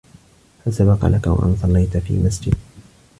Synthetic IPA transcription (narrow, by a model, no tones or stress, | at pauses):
hasabɑqɑ̰lakawa̰ʔa̰nsˤɑlːɑjt̪afḭːmasd͡ʒɪd̪̚